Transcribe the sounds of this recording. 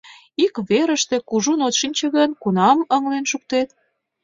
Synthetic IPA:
ikβeɾəʃt̪e̽kuʒunot̪ʃinʲt͡ɕeɣənkunɑməŋlenʃuk̚t̪et̪

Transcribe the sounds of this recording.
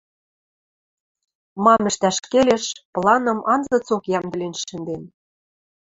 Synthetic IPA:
mɑmɘ̆ʃt̪æʃkelʲeʃplˠɑnɤ̆mɑnzɤ̆t͡sokjɑmd̪ɘ̆lʲenʃɘ̆nd̪en

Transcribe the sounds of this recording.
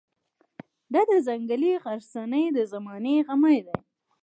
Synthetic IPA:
d̪ɑd̪əzaŋɡaliɣaɾsanəjd̪əzamɑneɣamajd̪aj

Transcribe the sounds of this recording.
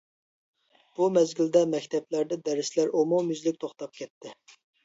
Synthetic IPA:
b̥umɛzɡʲild̪ɛmɛkʲt̪ʰɛplæɾd̪ɛd̪ɛɾɪslæɾomomjyzlɪk̚ʲt̪ʰoχt̪ɑp̚kʲʰɛt̪ʰːɪ

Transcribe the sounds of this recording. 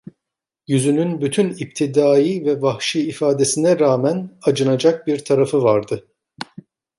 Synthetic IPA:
jyzynynbyt̪ʰynip̚t̪ʰid̪aːjivɛvahʃiːfaːd̪esinɛɾaːmænad͡ʒɯnad͡ʒak̚biɾt̪ʰaɾafɯvaɾd̪ɯ

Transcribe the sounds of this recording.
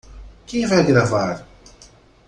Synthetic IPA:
kẽvajɡɾavaɾ

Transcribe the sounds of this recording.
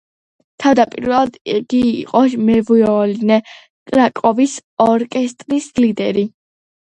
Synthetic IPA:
t̪ʰavd̪apʼḭɾvɛlˠad̪iɡ̥ḭːqʼɔmɛvuɔlinɛ | kʼɾakʼɔvisɔɾkʼɛst̪ʼɾislid̪ɛɾi

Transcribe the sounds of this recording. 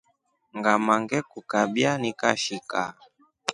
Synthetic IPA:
ŋɡamaŋɡɛkukaɓjanika̰ʃika̰

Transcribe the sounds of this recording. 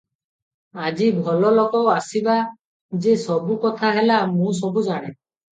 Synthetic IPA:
ad͡ʒibʱɔlɔlɔkɔasiba | d͡ʒesɔbukɔt̪ʰaɦelamũsɔbud͡ʒaɽ̃e

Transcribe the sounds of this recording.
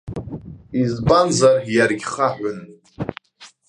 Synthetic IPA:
izbanzarjarɡʲχaħʷᶣʊn

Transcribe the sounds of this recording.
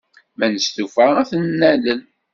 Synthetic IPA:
mænəst̪ufəæθnːæləl

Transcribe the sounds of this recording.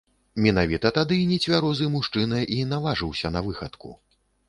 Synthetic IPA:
mʲɛnavʲit̪ɐt̪ad̪ɨnʲɛt͡sʲvʲaɾɔzɨmuʂt͡ʂɨnɐʔinavaʐɨwsʲɐnɐvɨxɐt̪kṵ

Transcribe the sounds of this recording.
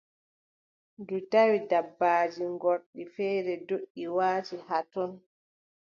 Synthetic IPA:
dutawidabːaːd͡ʒiŋɡɔɾɗifɛːɾɛdoɗːiwaːtihatɔn

